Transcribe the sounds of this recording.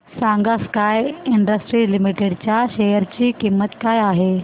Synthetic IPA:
sãŋɡaskajiɳɖəsʈɾilimiʈeɽt͡ɕjaɕejəɾt͡ɕiːkimːət̪kajaɦe

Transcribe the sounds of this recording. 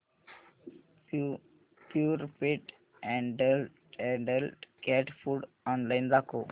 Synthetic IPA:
pjuːɾpɪʈ | ɛ̃ɳɖəlʈɛɖəlʈkɛʈfuːɖ | ɔ̃ːnlaɪnɾakoː

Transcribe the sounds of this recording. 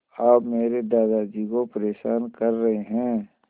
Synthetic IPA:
aːpmeːɾeɖaːd̪ad͡ʒikopəɾeːʃaːnkɐɾːɐɦeɦɛ̃ː

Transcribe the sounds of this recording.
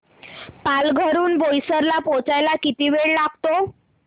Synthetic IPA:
palɡʱəɾuːnbojsəɾlapɔt͡sajlakit̪iʋeɭlaɡ̚t̪o

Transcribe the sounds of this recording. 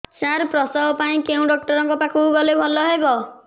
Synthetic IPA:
saɾpɾɔsɔwpaĩkeũɖɔk̚ʈɔɾɔŋkɔpakʰuɡɔlebʱɔlɔɦebɔ

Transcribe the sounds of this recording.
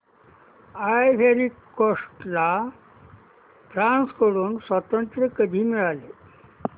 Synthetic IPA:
ajfeɾikːoʂʈla | ʈɾãnskəɽuːnsʋət̪ənt̪ɾəkəd̪ʱiːmiɭale

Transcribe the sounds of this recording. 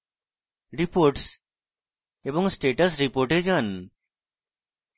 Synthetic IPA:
ɾipoɾʈs | eboŋsʈeʈəsɾipoɾʈed͡ʒan

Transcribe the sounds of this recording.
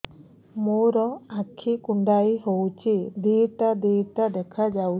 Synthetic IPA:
muɾɔakʰikuɳɖajɦowt͡ʃid̪iʈad̪iʈad̪ɛkʰad͡ʒaw

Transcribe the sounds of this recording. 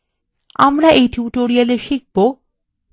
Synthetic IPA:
a̰mɾaʔejʈjuʈoɾialeɾʃik̚bo

